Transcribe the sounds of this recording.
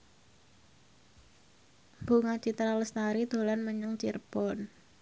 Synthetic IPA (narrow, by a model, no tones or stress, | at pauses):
b̥uŋat͡ʃit̪ɾaləst̪aɾid̪o̤lanməɲəŋt͡ʃirpɔn